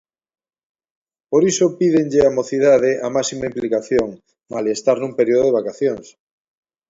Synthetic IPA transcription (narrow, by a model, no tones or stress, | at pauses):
poɾisopiðeŋʎeamoθiðaðeʔamasimaimplikaθjoŋ | malest̪aɾnũmpeɾioðoðeβakaθjoŋs